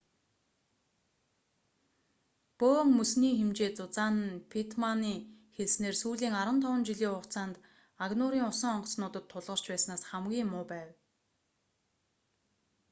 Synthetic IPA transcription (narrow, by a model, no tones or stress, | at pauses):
poːŋmɵsniːxemt͡ɕeːt͡sʊt͡saːnə̆npʰit̪ʰmaniːxeɮsneːrsuːɮiːŋaɾwə̆nt̪ʰɔwə̆nt͡ɕiɮiːʊχʰt͡saːnt̪ | aɣnʊɾiːŋʊsə̆ŋɔɴɢɞ̆snʊːt̪ə̆t̪ʰːʊɮʁɞ̆r̥t͡ɕpæːsnaːsχamɡʲiːŋːʊːpæːw